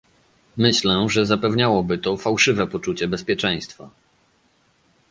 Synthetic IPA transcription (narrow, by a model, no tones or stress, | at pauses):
mɘɕlɛʐɛzapɛvɲawɔbɘt̪ɔfawʂɘvɛpɔt͡ʂut͡ɕɛbɛspʲjɛt͡ʂɛj̃st̪fa̰